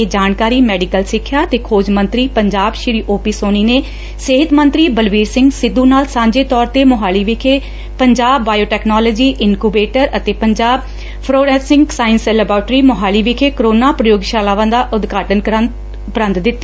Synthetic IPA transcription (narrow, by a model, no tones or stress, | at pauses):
eːd͡ʒaːnkaːɾiːmɛːɖɪkəlsɪkʰːjaːt̪eːkʰoːd͡ʒmə̃nt̪ɾiːpəɲd͡ʒaːbʃɪɾiːʔoːpiːsoːniːneː | seɦɪt̪mə̃nt̪ɾiːbəlʋiːɾsɪ̃ŋɡsɪd̪ːũːnaːlsãːɲd͡ʒeːt̪ɔːɾt̪eːmʊɦaːliːʋɪkʰeː | pəɲd͡ʒaːbːaːjoːʈɛːknɔːlɔːd͡ʒiːʔɪnkubeːʈəɾət̪eːpəɲd͡ʒaːb̚ | pʰɾoːɾɛːsɪ̃ŋɡsaːɪnsɛːləbɾaːʈɾiːmʊɦaːliːʋɪkʰeːkəɾoːnaːpɾəjoːɡʃaːlaːʋãːd̪aːʔʊd̪ɡʱaːʈənkə | ʊpɾə̃nt̪d̪ɪt̪ː